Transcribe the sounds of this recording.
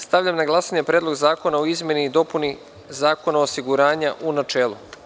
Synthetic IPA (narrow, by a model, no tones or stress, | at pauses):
st̪aʋʎamnaɡlˠaːsaɲepɾeːd̪lo̞ɡzaːko̞naoizmje̞niːd̪o̞puni | zaːko̞naosiɡuɾaːɲaʔunat͡ʃe̞ːlˠu